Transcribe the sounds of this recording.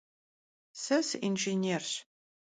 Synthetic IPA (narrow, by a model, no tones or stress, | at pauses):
sɐsʔinʒinʲeːrɕ